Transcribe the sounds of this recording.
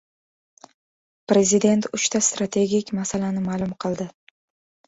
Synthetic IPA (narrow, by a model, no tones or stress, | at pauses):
pɾe̞zid̪e̞nt̪ʰʊt͡ʃt̪ʰast̪ɾat̪ʰe̞ɡʲikʲmasalanɪmaːlˠʊmqʰɨlˠd̪ɪ